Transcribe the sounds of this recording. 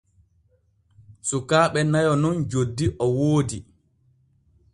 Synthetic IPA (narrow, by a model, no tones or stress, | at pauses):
sukaːɓɛnajɔnɔnd͡ʒodːiʔɔwoːdi